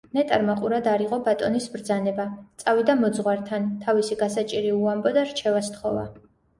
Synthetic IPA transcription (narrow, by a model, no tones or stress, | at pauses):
nɛt̪ʼaɾmaqʼuɾad̪aɾiʁɔbat̪ʼɔnisbɾd̪zanɛbat̪sʼavid̪amɔd̪zʁwaɾt̪ʰant̪ʰavisiɡasat͡ʃʼiɾiuambɔd̪aɾt͡ʃʰɛvast̪χɔva̰